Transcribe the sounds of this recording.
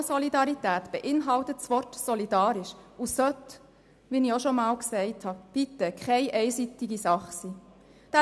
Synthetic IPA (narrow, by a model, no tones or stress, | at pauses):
sɔlidɑɾitæːt̪b̥ɛʔɪnɦɑltətsʋɔrtsɔlidɑːɾɪʃusœt | ʋinioʃɔmɑːlksɛɪthɑb̥it̪ːəkʰχɛɪʔɛɪsit̪ɪɡisɑχsiː | d̥æ